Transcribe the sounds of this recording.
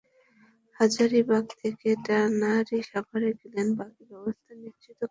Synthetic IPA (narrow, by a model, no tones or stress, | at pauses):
had͡ʑaɾibaɡ̚t̪ʰekeʈanaɾiʃabʱaɾeɡilenbakibɛbost̪ʰaniʃt͡ɕit̪o